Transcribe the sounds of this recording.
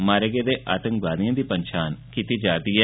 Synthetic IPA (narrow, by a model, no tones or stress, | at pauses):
maːɾeɡeːd̪eːʔaːt̪ə̃ŋkʋaːd̪ijãːd̪iːpəɲʃʰaːnkit̪id͡ʒaːt̪iɦɛ